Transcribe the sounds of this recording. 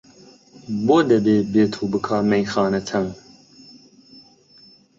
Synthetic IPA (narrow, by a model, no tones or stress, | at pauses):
boːd̪ɐbeːbeːt̪ʰuːbɨkʰɑːmɛjxɑːnɐt̪ʰɐŋ